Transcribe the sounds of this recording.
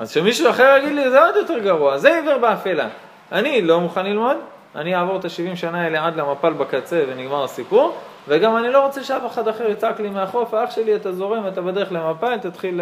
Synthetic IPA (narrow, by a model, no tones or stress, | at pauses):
azʃemiʃuaχeʁjaɡid̪lizeod̪jo̞t̪eʁɡaʁuazeiviʁbeafela̰ | anilo̞muχanlilmo̞d̪ | a̰nijaːvo̞ʁet̪aʃivimʃanaeleʕadlamapalbakat͡se̞ve̞niɡmaʁasipuʁ | veɡamanilo̞ʁo̞t͡seʃeafeχadaχeʁit͡saklimeaχo̞faaχʃe̞liat̪azo̞ʁemat̪abede̞ʁeχlemapalt̪at̪χil